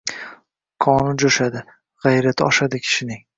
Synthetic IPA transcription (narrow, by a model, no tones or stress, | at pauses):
kʰɒnɪd͡ʒoʃad̪ɪ | ʁɑjɾat̪ʰɒʃad̪ɪkʲʰɪ̥ʃɪnɪŋ